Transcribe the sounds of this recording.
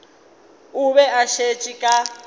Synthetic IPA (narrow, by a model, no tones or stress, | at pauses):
uβɛaʃet͡ʃʼikʼa